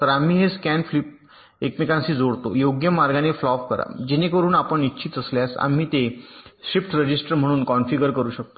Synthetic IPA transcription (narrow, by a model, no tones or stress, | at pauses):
t̪əɾam̤iːɦeskænflip̚ | ekmikãnsiːd͡zoɽt̪o̰joɡjəmaɾɡaneflɔfkəɾa̰d͡ʑenekəɾuːnapəɳitːɕʰiːt̪əsljasa̰m̤iːt̪eɕɾifʈɾəd͡ʑisʈəɾm̤əɽ̃uːnkɔnfiɡəɾkəɾuːɕək̚t̪o